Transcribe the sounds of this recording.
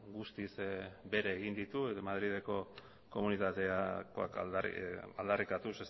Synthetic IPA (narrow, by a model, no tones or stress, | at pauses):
ɡust̪isbe̞ɾeːɣind̪it̪ueðmaðɾið̞e̞ko̞ | ko̞munit̪at̪eakoa̰k̪ | a̰ld̪arikat̪uses